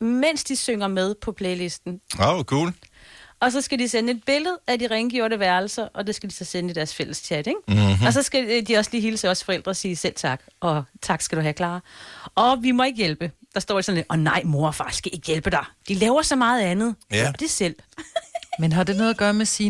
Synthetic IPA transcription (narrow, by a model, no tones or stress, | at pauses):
men̰sd̥isøŋɐmeð̞ˠpʰɒ̽pʰleɪlesd̥n̩oʊkʰṵːlɒ̽s̬ɒ̽sɡ̥ædisenəe̝d̥̚b̥e̝ləð̞̩ˠæd̥iʁaŋɡ̥jo̰ːɐnəʋæɐl̩sɐʔɒ̽d̥e̝sɡ̥ædisɒ̽senəid̥æɐsfel̰əst͡ɕʰæd̥eŋ̥ɒ̽sɒ̽sɡ̥ædiɒ̽sliːɦiːləsɒsfɒ̽el̰d̥ʁɐsiːsel̰t͡sʰɑ̈ɡ̥ɒ̽t͡sʰɑ̈ɡ̥sɡ̥æd̥uɦækʰlɑ̈ːɒ̽ʋimɒ̽e̝ɡ̥əjelb̥ə | d̥ɑ̈sd̥ɒ̰ːesɒ̽nle̥ɒ̽nɑ̈ɪ̰mo̝ɐfɑ̈skʰæʔe̝ɡ̥əjelb̥əd̥ɑ̈ɪd̥ilɛːʊɐsɒ̽mɑ̈ːð̩ˠænð̞̩ˠd̥e̝sel̰ | menɦɑ̈d̥enoːð̩ˠɐɡ̥ɶːɐmesi